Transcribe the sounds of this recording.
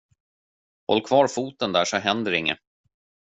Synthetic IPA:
hɔ̰lːkʰvɑːɾfuːt̪ənd̪æːʂɔɦɛnd̪əɾɪŋːə̰

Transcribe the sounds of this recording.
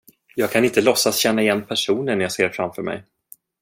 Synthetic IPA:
jɑːɡ̚kʰanɪnt̪əlɔsːasɕɛnːaɪjɛnːpʰæʂuːnənjɑːɡseːɾfɾamfœɾmɛ̰j

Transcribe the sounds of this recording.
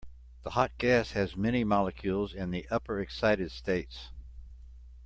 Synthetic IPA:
ðəhɑt̚ɡ̥æshɨzmɛñimɑlˠəkʰj̥ʉlˠzɨ̃nðiʔʌpə˞ɨksaɪɾɨd̥steɪts

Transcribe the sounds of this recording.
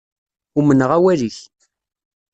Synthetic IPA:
umənəʁæwæliç

